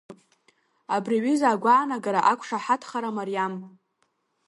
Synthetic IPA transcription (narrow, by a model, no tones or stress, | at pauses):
abriʕizaːɡʷaːnaɡaɾaʔakʷʰʂaħatʰχaɾamarijam